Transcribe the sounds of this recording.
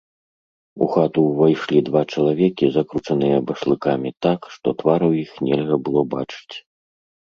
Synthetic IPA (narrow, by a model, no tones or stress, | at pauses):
ṵxat̪uvajʂlʲid̪vat͡ʂɐlˠavʲɛkʲizakɾut͡ʂɐnɨjɐbɐʂlˠɨkamʲit̪akʂt̪ɔt̪vaɾwjixnʲɛlʲɣɐbɨlˠɔbat͡ʂɨ̥t͡sʲ